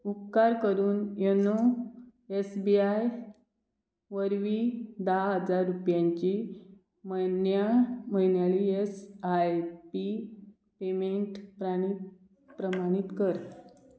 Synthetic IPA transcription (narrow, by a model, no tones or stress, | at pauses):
upkaɾkəɾuːnjeno | esbiaj | ʋəɾʋiːd̪əɦaɦəd͡zaɾːupjãɲt͡ɕi | mənjaməɦinjaɭiesajpi | pemeɳʈpɾãi | pɾəmaɽ̃it̪kəɾ